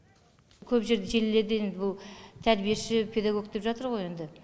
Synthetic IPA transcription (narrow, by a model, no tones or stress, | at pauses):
kʲʰɵpʒe̞ɾd̪eʒe̞lle̞ɾd̪eend̪ɪbʊlˠt̪ʰæɾbijeʃɪpʰe̞d̪aɡo̞k̚d̪e̞pʒɑt̪əɾʁo̞je̞nd̪ɪ